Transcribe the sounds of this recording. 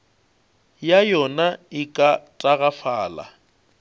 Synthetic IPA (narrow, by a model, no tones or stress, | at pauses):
jajɔnaɪkʼatʼaɣafaːla̰